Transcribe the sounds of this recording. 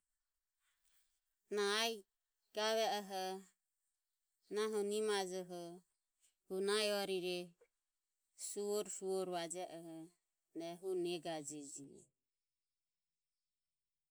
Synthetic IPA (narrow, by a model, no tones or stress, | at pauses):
naːj | ɡ̥aβɛɔɦɔ | naɦɔnimad͡ʒɔɦɔ | hunajɔɾiɾɛ | suɔɾfuɔɾβad͡ʒɛʔɔɦɔ | nɛɦunɛɡad͡ʒɛd͡ʒinɛ̰